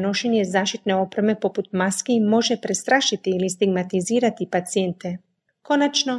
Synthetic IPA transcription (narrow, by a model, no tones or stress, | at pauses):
noʃenjezaːʃt̪it̪neopɾemepoput̪̚maskimo̞ʒɛpɾest̪ɾaːʃit̪iːlist̪iɡmat̪iziːɾat̪ipat̪sijent̪e | konat͡ʃno